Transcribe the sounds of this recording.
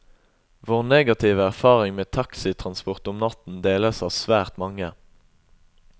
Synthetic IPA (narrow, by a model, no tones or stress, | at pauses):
ʋoːʁneːɡɑt̪ʰiːʋəæʁfɑːʁɪŋmeːt̪ʰɑksɪt̪ʰʁɑnspʊʁt̪ʊmnɑt̪n̩d̪eːləsɑːʋsʋæːʁt̪mɑŋə